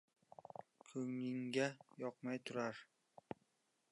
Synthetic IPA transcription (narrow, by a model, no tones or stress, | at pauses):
kʰɵŋɪŋɡʲajɒqmajt̪ʰʊɾaɾ